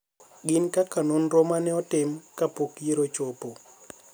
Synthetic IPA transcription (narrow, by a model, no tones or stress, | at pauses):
ɡɪnkakanonɾomanɛɔtɪmkapokjeɾot͡ʃopo